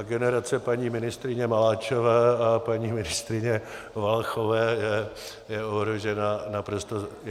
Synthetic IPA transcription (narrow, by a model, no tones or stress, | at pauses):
ɡɛnɛɾat͡sɛpaɲiːmɪnɪst̪ɾɪɲɛmalaːt͡ʃovɛːapaɲiːmɪnɪst̪ɾɪɲɛ | valxovɛːjɛ | jɛoɦɾoʒɛnanapɾo̞st̪o